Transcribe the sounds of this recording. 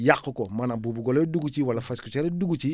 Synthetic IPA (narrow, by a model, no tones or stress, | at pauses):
jakːokomanabubuɡoloduɡut͡ʃiwalafaskut͡ʃaɾeduɡut͡ʃi